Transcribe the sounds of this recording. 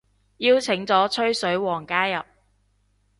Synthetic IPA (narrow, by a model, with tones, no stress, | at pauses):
jiː˥wt͡sʰɪ˨˥ŋt͡sɔː˨˥t͡ʃʰɵ˥ɥsɵ˨˥ɥwɔː˨˩ŋkaː˥jɐ˨p̚